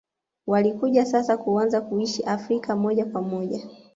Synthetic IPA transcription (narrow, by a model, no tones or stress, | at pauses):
walikuʄasasakuanzakuiʃiʔafɾikamɔʄakwamɔʄa